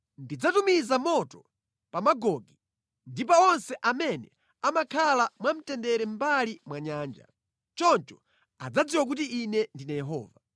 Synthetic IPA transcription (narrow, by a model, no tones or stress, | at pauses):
ndid͡zatumizamɔtɔ | pamaɡɔɡi | ndip̬aɔnsɛʔamɛnɛ | amakʰalamwam̩tɛndɛɾɛm̩balimwaɲaːnd͡ʒa̰ | t͡ʃɔnt͡ʃɔ̥ | ad͡zad͡ziwak̬utiːnɛndinajɛɦɔ̰ːva